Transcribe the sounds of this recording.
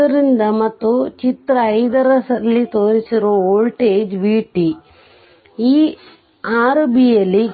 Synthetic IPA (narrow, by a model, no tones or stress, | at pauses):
ɐɾind̪ɐmɐt̪ːut͡ʃit̪ɾɐːjd̪ɐɾɐsɐlːit̪oːɾisiɾuoːlʈeːd͡ʒbiːʈi | iː | aːɾbijɐlːi